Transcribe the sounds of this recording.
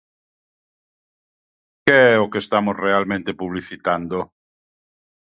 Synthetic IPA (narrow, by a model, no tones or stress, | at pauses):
keɛokest̪amʊsrealmẽnt̪epuβliθit̪and̪o